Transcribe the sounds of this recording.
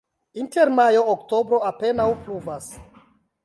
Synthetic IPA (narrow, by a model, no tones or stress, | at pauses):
inteɾmajo̞ːkto̞bɾo̞ape̞nawpluvas